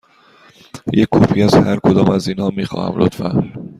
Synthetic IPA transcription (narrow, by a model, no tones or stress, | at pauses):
jekʰːɒːpʰiːæzhæɾkʰod̪ɒːmæziːnhɒːmiːxɒ̰ːhæ̰mlo̰t̪fæ